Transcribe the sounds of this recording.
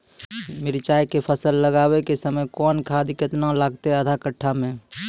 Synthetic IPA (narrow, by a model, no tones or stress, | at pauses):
mɪɾt͡ʃaːjkepʰəsəlːəɡaːwekesəməjkɔːnkʰaːd̪ikɪt̪nãlaːɡt̪eəd̪ʱakəʈʰːamẽː